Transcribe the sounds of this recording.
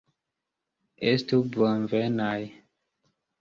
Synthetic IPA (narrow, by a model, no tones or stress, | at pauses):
estubɔnvenaj